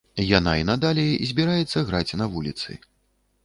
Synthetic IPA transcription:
janainad̪alʲɛzʲbʲiɾajɛt̪sːɐɣɾat͡sʲnɐvulʲit̪sɨ̰

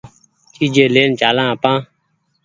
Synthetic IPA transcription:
t͡ʃiːd͡ʒẽːleːnt͡ʃaːlãːaːpãː

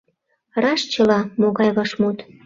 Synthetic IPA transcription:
rɑʃt͡ɕəlɑmoɣɑjɣɤʃmut̪

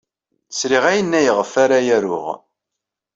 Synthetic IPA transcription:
θsɾiʁæjənːæjəʁəfaɾajæɾʊ̰ʁ

